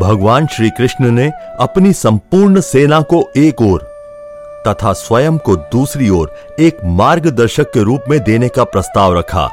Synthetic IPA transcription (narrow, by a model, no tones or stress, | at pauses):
bʱɐɡʋaːnʃɾiːkɾɪʃnəne | ɐpnisɐ̃mpuːɾɳseːnakoeːkɔːɾ | t̪ɐt̪ʰaswɐjəmkod̪uːsɾiɔːɾ | eːkmaːɾɡd̪ɐɾʃəkːeɾuːpmẽd̪eːnekapɾɐst̪aːʋɾɐkʰa̰ː